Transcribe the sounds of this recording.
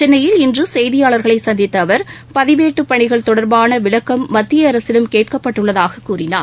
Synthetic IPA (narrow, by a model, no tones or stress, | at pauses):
ɛnːɐjɪlɪndrɯsɛjðɪjaːɭɐɾɣɐɭɐɪsɐnd̪ɪt̪ːɐːʋɐɾpɐðɪʋeːʈːɯpːɐɳɪɣɐɭt̪ɔɽɐɾbaːnɐʋɪɭɐkːɐmːɐt̪ːɪjɐɐɾɐsɪlɯmkeːʈ̚kɐpːɐʈːɯɭːɐðaːɣɐkːuːɾɪnaː